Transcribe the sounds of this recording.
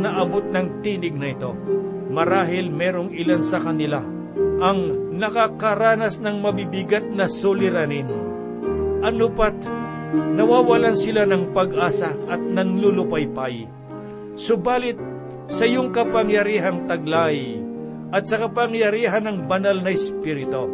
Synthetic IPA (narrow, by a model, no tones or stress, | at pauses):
nɐʔɐbot̪̚nɐŋt̪iːnɪɡ̚nɐɪt̪o̞ | mɐɾaːɦɪlmɛːɾoŋɪlansɐkɐnɪla | ʔɐŋnɐkakaɾaːnɐsnɐŋmɐbibɪɡat̪̚nɐsʊlɪɾanɪn | ʔɐnʊpat̪ | nɐwaːwɐlansɪlanɐŋpɐɡʔaːsɐʔɐt̪̚nɐŋlʊlʊpajpaj | sʊbaːlɪt̪̚ | sɐɪjoŋkɐpɐŋjɐɾiːɦɐŋt̪ɐɡlaj | ʔɐt̪̚sɐkɐpɐŋjɐɾiːɦɐnɐŋbɐnalnɐɛspiːɾɪt̪o